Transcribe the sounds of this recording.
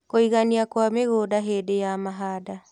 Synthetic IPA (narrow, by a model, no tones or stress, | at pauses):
koiɣaniakwameɣoːdaɦeːdejamaɦaːda